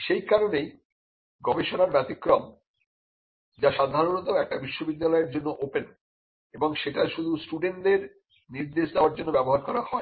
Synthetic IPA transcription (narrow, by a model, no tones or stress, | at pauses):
ʃejkaɾonej | ɡɔbeʃonaɾbɛt̪ikːɾom | d͡ʑaʃad̪ʱaɾonɔt̪aoɛk̚ʈabiʃːobid̪ːalɔeɾd͡ʑonːoʔopen | eboŋʃeʈaʃud̪ʱusʈuɖeɳʈɖeɾ | niɾd̪eʃd̪eoaɾd͡ʑonːobɛboɦaɾkɔɾahɔe